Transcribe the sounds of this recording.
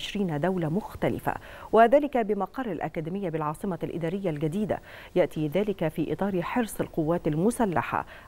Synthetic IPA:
ɪʃɾiːnad̪awlamʊxt̪alɪ̰fa̰waðaːlɪkabɪmɑqɑrˤːalʔa̰kæːd̪ɪmɪjːabɪlʕɑːsˤɨmalʔɪ̰d̪æːɾɪjːalɡad̪iːd̪a̰jaʔt̪iːðaːlɪkafiːʔɨ̰t̪ˤɑːɾiħɪɾsˤɪlqʊwːaːt̪almʊsalːa̰ħa̰

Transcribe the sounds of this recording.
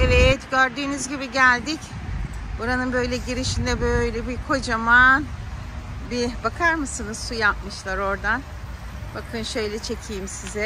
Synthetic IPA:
evɛt̪ɟøɾd̪yːnyzɟibiɟælʲd̪ic | buɾanɯnbø̞jlʲɛɟiɾiʃind̪ɛbøjlʲɛbikʰo̞d͡ʒaman | bibakʰaɾmɯsɯnɯz̥sujap̚mɯʃlˠaɾo̞ɾd̪an | bakʰɯnʃø̞jlʲɛt͡ʃʰecʰijmsizɛ

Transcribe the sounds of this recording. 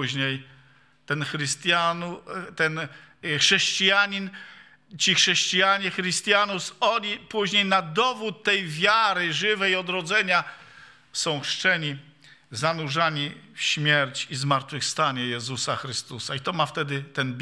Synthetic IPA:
uʑɲej | t̪ɛnxɾɘst̪ʲjanut̪ɛnxʂɛɕt͡ɕijaɲin | t͡ɕixʂɛɕt͡ɕijaɲɛxɾɘst̪janusɔlʲipuʑɲejnad̪ɔvut̪ːɛjvʲjaɾɘʐɘvɛjɔd̪ɾɔd̪zɛɲa | sɔ̃w̃xʂt͡ʂɛɲi | zanuʐaɲifɕmʲjɛɾt͡ɕizmaɾt̪fɘfst̪aɲɛjɛzusaxɾɘst̪usait̪ɔmaft̪ɛd̪ɘt̪ɛnbʲ

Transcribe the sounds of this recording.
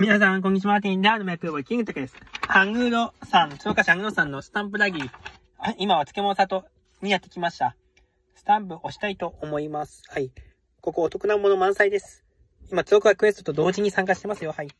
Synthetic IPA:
mʲinas̬ãŋk̬õɲ̟ːit͡ɕimaːt̪iid̪aːnomeakɯobakʲĩŋɡɯt̪okɯ̟d̪esɨ̥hãŋɡɯ̟ɾo̞sãnt͡sɨokaɕiãŋɡɯɾo̞sãnːosɨ̥t̪ãmp̬ɯ̟ɾaɡʲiɾʲi | imaβat͡sɨ̥ke̞mo̞nosat̪o̞ | ɲ̟ijat̪ːe̞kʲimaɕi̥t̪a | sɨ̥t̪ãmp̬ɯ̟ʔo̞ɕi̥t̪ait̪o̞ʔomo̞imasɨ̥hai | ko̞ko̞ːt̪o̞kɯ̟naɯmo̞no̞mãɰ̃said̪e̞sɨ̥ | imat͡sɨokɯɡakɯ̟e̞sɨ̥t̪ot̪o̞d̪o̞ːʑiɲ̟isãŋk̬aɕi̥t̪e̞masɨjo̞hai

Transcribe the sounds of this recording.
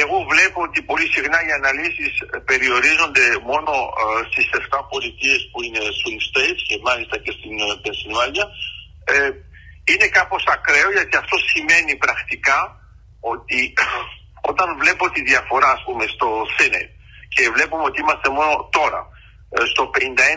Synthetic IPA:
e̞ɣo̞vle̞poot̪ipo̞lisixnɐiɐnɐlisispe̞ɾio̞ɾizo̞nd̪e̞mo̞no̞st̪ise̞ft̪ɐpo̞lit̪ie̞spuine̞siŋɡst̪ejt̪cemɐlist̪ɐce̞st̪inpensinuɐɲiɐ | ine̞kɐpo̞sɐkɾe̞oʝɐt̪iɐft̪o̞sime̞nipɾɐxt̪ikɐ | o̞t̪i | o̞t̪ɐnvle̞po̞t̪iðjɐfo̞ɾɐːspume̞st̪o̞θenḛt̪̚ | ce̞vle̞pumeo̞t̪iimɐst̪e̞mo̞no̞t̪o̞ɾɐ̰ | st̪o̞pe̞nind̪ɐe

